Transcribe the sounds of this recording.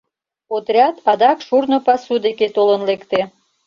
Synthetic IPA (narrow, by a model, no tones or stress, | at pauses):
ot̪ɾʲɑt̪ɑd̪ɑkʃurnŏpɑsud̪eket̪olənlekt̪e